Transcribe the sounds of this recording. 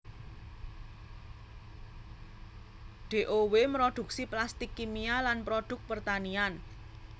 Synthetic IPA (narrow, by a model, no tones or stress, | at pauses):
ɖ̥e̤ʔowemɾoɖ̪̥ṳk̚siplast̪ikːimialanpɾoɖ̥ʊ̤k̚pərt̪anian